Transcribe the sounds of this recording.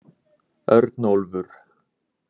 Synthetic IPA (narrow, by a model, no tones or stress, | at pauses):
œ̰ɾt̪nolvʏɾ̥